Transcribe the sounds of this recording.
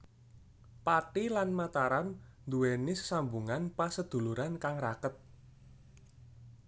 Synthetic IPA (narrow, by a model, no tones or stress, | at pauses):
pat̪ilanmat̪aɾannd̪uwenɪsə̥sambuŋanpasəd̪̥ṳluɾankaŋrakət̪̚